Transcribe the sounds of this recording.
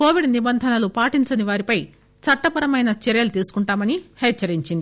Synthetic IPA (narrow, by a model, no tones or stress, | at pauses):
ko̞ːʋiɖnibɐnd̪ʱɐnɐlupaːʈiɲt͡ʃɐniʋaːɾipɐj | t͡ʃɐʈːɐpɐɾɐmɐjnɐt͡ʃɛɾjɐlut̪iːsu̥kuɳʈaːmɐnihɛːt͡ʃːɐɾiɲt͡ʃind̪i